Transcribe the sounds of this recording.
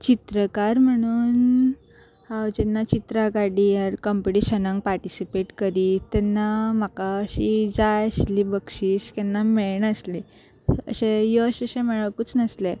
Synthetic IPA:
t͡ɕit̪ɾəkaɾm̤əɽ̃uːn | hawd͡ʑɛnːat͡ɕit̪ɾakaɽijəɾkɔmpiʈiɕənãŋɡ̚paɾʈisipeʈkəɾiːt̪ɛnːamakaəɕid͡zaəslibəkʂiːɕkɛnːameɭnəsli | ə̰ɕejɔəɕeəɕẽmɛɭaʋkut͡snəsle

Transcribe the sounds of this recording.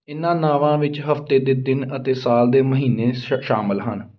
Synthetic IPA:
ɪnãːnaːʋãːʋɪt͡ʃɦəft̪eːd̪eːd̪ɪnət̪eːsaːld̪eːməɦiːneːʃaːməlɦən

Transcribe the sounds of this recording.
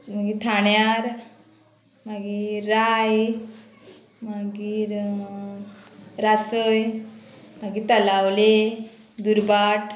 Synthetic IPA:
maɡit̪ʰaɳjaɾ | maɡiɾaj | maɡiɾ | ɾasəj | maɡit̪əlawle | d̪uɾbaʈ

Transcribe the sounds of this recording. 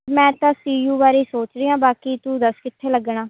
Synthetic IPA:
mɛ̃ːt̪ãːsiːjuːbaːɾeːsoːt͡ʃɾeːãːbaːkiːt̪ũd̪əskɪt̪ʰːeːləɡɳaː

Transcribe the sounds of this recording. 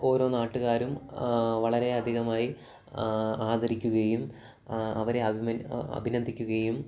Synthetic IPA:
o̞ːɾo̞ːnaːʈːuɣaːɾumʋɐɭɐɾe̞ɐd̪ʱiɣɐmaːji | aːd̪ɐɾikʲːuɣɐjum | ɐʋɐɾe̞ɐbʱimɐɐ̰bʱinɐnd̪ʱikʲːuɣɐjum

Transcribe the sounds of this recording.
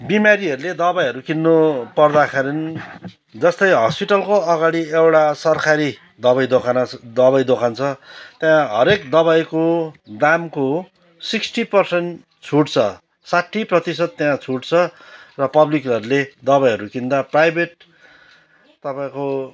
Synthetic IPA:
bimaɾiʌɾuled̪ʌbajɦʌɾukinːopʌrd̪akʰeɾin | d͡zʌst̪ʌjɦʌ̰spiʈʌlkoʌɡaɽiewʈasʌrkʰaɾi | d̪ʌβajd̪okʰanad̪ʌβajd̪okʰant͡sʰʌt̪jãɦʌɾekd̪ʌβajkod̪amko | siksʈipʌrsenʈ | t͡sʰuʈt͡sʰʌ | saʈʰːiprʌt̪isʌd̪̚t̪jãt͡sʰuʈt͡sʰʌrʌpʌblikɦʌɾuled̪ʌβajɦʌɾukind̪aprajbeʈ̚ | t̪ʌpãĩko

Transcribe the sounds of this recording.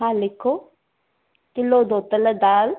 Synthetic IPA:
ãːlɪkʰːoː | kɪloːd̪oːt̪ələd̪aːl

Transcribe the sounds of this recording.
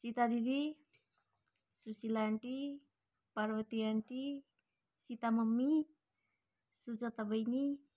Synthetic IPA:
sit̪ad̪id̪i | susilaɳʈi | paɾwət̪iaɳʈi | sit̪aməmːi | sud͡zat̪abəjni

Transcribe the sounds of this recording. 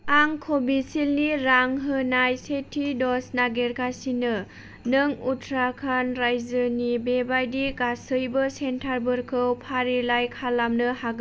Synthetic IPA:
aŋkʰobisilniɾaŋɦɯnajsetʰidɔsnaɡeɾkʰasinɯ | nɯŋutʰɾakʰanɾajzɯnibebajdiɡasɯjbɯsentʰaɾbɯɾkʰɯwpʰaɾilajkʰalamnɯhaɡ

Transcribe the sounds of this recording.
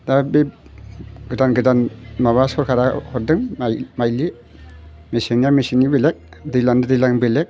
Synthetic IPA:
dabe | ɡɯdanɡɯdanmaβasɔɾkʰaɾahɔdɯŋmajli | misiŋjamisiŋibilek̚dilandadilaŋbilek̚

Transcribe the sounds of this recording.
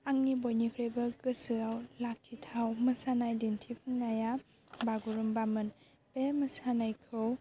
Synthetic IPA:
aŋnibojnikʰɾebɐkɯsɯawlakʰːitʰawmɯsanajdintʰipʰɯŋnaja | baɡuɾɯmbamɯn | pemɯsanajkʰɯw

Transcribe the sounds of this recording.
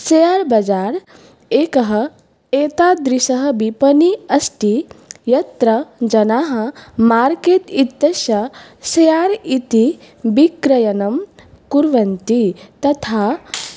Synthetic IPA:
sejaːɾbɐd͡ʒaːɾ | eːkɐɦɐ | eːt̪ad̪ɾiʃɐɦɐ̆bipɐniɐsʈijɐt̪ɾɐd͡ʒɐnaːɦɐ̆maːɾkeːt̪it̪ːɐʃɐsɐjaːɾit̪i | bikɾɐjɐnɐm | kuɾʋɐnt̪it̪ɐt̪ʰaː

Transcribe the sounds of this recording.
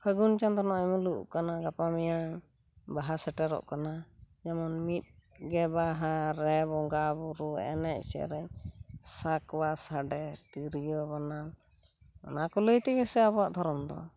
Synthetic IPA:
pʰəɡunt͡ʃand̪ɔnɔʔɛmuluʔkanaɡapamija | baɦasɛʈɛɾɔ̰ʔkanad͡ʒamɔnmit̪̚ɡɛbaɦaɾɛbɔŋɡabuɾuɛ̰nɛc̚ˀsɛ̰ɾɛɲsakbasaɖɛt̪iɾijɔbanal | ɔ̰nakuləjt̪ɛɡɛsɛabɔaʔd̪ʱɔɾɔmd̪ɔ̰

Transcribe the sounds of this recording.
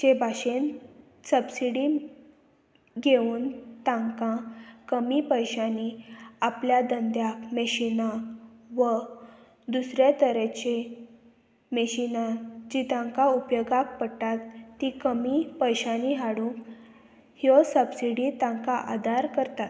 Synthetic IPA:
d͡ʑebʱaɕen | səbsiɽi | ɡeuːnt̪ãŋkãkəmipəjɕaniapljad̪ənd̪jakməɕinaʋə | d̪usɾjet̪əɾət͡ɕe | məɕinad͡ʑit̪ãŋkaupjoɡak̚pəʈat̪ːikəmipəjɕaniɦaɽũ | hjɔsəbsiɽiːt̪ãŋkaʔad̪aɾkəɾt̪at̪

